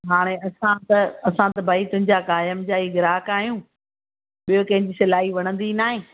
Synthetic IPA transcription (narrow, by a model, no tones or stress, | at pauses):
ɦaːɽ̃eɐsãt̪ɐɐsãt̪ɐbʱaːit̪ʊ̃ɦɪ̃ɲd͡ʑakaːjəmd͡ʑaːiːɡɪɾaːkaːɦijũː | ɓijokɐ̃ɦɪ̃ɲd͡ʑiːsɪlaːɦiʋɐɽ̃ə̃nd̪inaːɦẽː